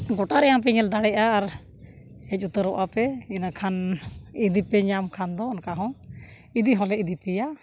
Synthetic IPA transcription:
ɡɔʈaɾɛjapɛɲɛld̪aɽɛʔaːɾ | ɛc̚ˀut̪əɾɔʔapɛinakʰanid̪ipɛɲamkʰand̪ɔːnkaɦɔ̃ | id̪iɦɔ̃lɛid̪ipɛja

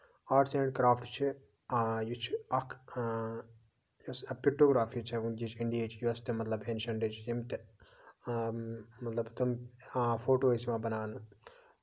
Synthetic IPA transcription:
aːʈseːɳɖkɾaːfʈt͡ʃʰi | jut͡ʃʰɐkʰ | jɐsɐpiʈːoːɡɾaːfit͡ʃʰɐʋund͡ʒit͡ʃʰiɳɖieːt͡ʃjuɐst̪emɐt̪lɐbenʃɐɳɖeːt͡ʃjemt̪e | mɐt̪lɐbt̪ɐmfʰoːʈoːesimaːbɐnaːnu

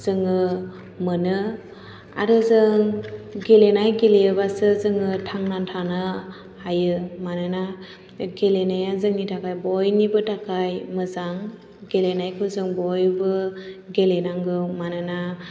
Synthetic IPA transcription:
z̥ɯŋɯ | mɯnɯ | a̰ɾɯzɯŋɡelenajɡelejɯbasɯzɯŋɯtʰaŋnantʰanɯ | ajɯmanɯna | ɡelenajazɯŋnitʰakajbɔjnibɯtakʰajmɯzaŋ | ɡelenajkʰɯzɯŋbɔjbɯɡelenaŋɡɯmanɯna

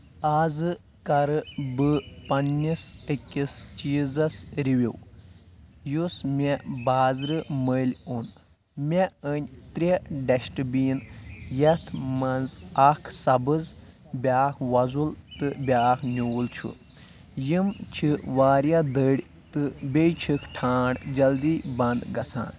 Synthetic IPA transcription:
aːzɨ | kɐɾɨbɨpɐnːisəkʲːist͡ʃiːzɐsɾiʋʲiw | jusmʲebaːzɾɨməlʲun | mʲeənʲt̪ɾʲiɖɐʃʈɨbiːnjɐt̪ʰmɐnzakʰsɐbɨz | bʲaːkʰʋɐzult̪ɨbʲaːkʰnʲuːlt͡ʃʰṵ | jimt͡ʃʰiʋaːɾjad̪əɽʲ | t̪ɨbʲejt͡ʃʰikʰʈʰaːɖd͡ʒɐld̪iːbɐnd̪ɡɐt͡sʰa̰ːn

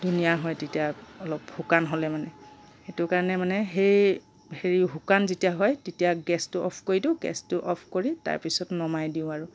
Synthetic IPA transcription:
dunijaɦɔjtetijaɔlɔphukanɦolɛmanɛ | xetʊkaɹɔnɛmanɛɦej | heɹibʱukanzitijaɦɔjtetijaɡɛstʊʔɔ̰pʰkoɹidʊɡɛ̰stʊʔɔpʰkoɹita̰ɹpisɔtnɔmajdiʊ̃aɹʊ

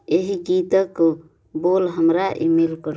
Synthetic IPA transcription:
eɦiɡit̪ək | bolɦəmɾaʔḭmelkəɾ

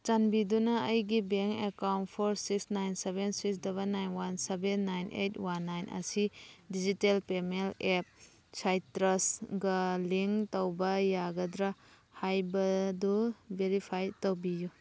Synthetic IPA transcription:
t͡ʃanbidunɐːjɡibeŋkekawnt̚pʰoɾsiksnajnsebensiks̬dɐβanːajnwansebenːajnʔḛjtwanːajnʔɐ̰sidid͡ʒitelpemelep̚ | t͡ʃʰajtɾɐsɡɐliŋtowbɐjaɡɐdɾa | hajbɐdubeɾipʰajtowbiju

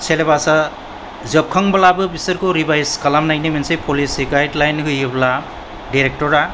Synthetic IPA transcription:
sʰelebasa | zɯp̚kʰaŋbalabɯbisɯɾkɯɾibajskalamnajnimensejpʰɔlisiɡajdlajnkɯjɯbla | diɾek̚tɔɾa

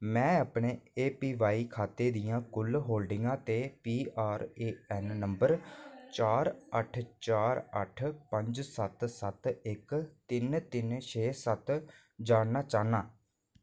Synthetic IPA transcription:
mɛ̃ːaːpɳeːeːpiːʋaːiːkʰaːt̪eːd̪ijãːkʊlɦoːlɖɪŋɡãːt̪eːpiːaːɾeːɛːnːəmbəɾt͡ʃaːɾəʈʰt͡ʃaːɾə̰ʈʰpə̃ɲd͡ʒsət̪sət̪ɪkt̪ɪnt̪ɪnt͡ʃʰeːsət̪ | d͡ʒaːɽnaːt͡ʃaːnaː

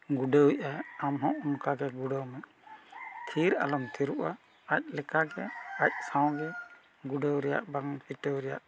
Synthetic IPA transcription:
ɡuɖəwiʔaamɦɔ̃unkaɡɛɡuɖəwmɛ | t̪ʰiɾa̰lɔmt̪ʰiɾuʔa | ac̚lɛkaɡɛac̚sãw̃ɡɛ | ɡuɖəwɾɛja̰ʔbaŋpiʈəwɾɛja̰ʔ

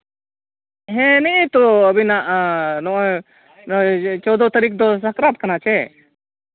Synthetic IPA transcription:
ɦɛ̃niʔt̪ɔəbinaʔnɔʔ | t͡ʃɔwd̪ɔt̪aɾik̚d̪ɔsakɾat̪̚kanat͡ʃɛ

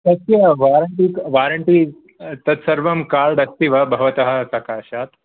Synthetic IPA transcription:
sɐt̪jɐʋaːɾɐɳʈiːkʋaːɾɐɳʈiː | t̪ɐt̪sɐɾʋɐmkaːɭɖ̪ɐst̪iʋɐbʱɐʋɐt̪ɐɦɐ̆sɐkaːʃaːt̪

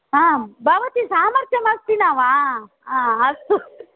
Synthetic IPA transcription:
ɦabʱaʋɐt̪isaːmɐɾt̪ʰjɐmɐst̪inaːʋa | aɐst̪u

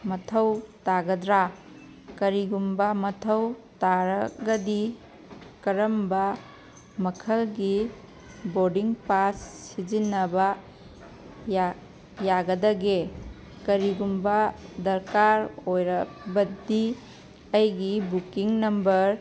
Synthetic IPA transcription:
mɐtʰɐwtaɡɐdɾa | kɐɾiɡumbɐmɐtʰɐwtaɾɐɡɐdi | kɐɾɐmbɐ | mɐkʰɐlɡi | boɾdiŋpassːid͡ʒinɐbɐ | ja | jaɡɐdɐɡe | kɐɾiɡumbɐdɐɾkaɾojɾɐbɐdi | ɐjɡibukiŋnɐmbɐɾ

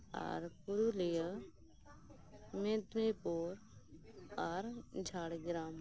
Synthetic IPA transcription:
a̰ɾkuɾulijə | mẽt̪nipoːɾ | aɾd͡ʒʱaːɽɡɾaːm

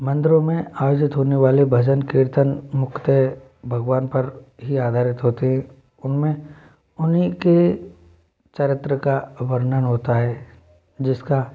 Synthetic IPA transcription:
mɐ̃nd̪ɪɾõmẽaːjoːd͡ʒɪt̪ɦoːneʋaːlebʱɐd͡ʒənkɪɾt̪ənmʊkt̪e | bʱɐɡʋaːnpɐɾɦiaːd̪ʱaːɾɪt̪ɦoːt̪eɦɛ̃ | ʊnmẽ | ʊnɦike | t͡ʃəɾɪt̪ɾəkaʋɐɾnənɦoːt̪aɦɛː | d͡ʒɪska

